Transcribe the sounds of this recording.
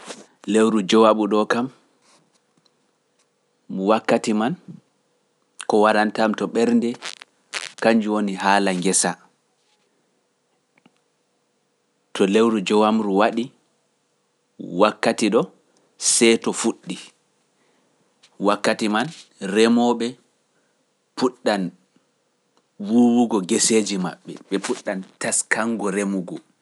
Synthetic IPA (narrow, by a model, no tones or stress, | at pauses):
lewɾud͡ʒɔwaɓuɗɔkam | muwakːatiman | kɔwaɾantamtɔɓɛɾndɛ | kaɲd͡ʒuwoniɦaːlaŋɡɛsa | tʰɔlewɾud͡ʒɔwamɾuwaɗi | wakːatiɗɔ | sɛtɔfuɗːi | wakːatimanrɛmɔɓɛ | puɗːan | wuwuɡɔɡɛseːd͡ʒima̰ɓːɛ̰ɓɛpuɗːantaskaŋɡɔɾemuɡɔ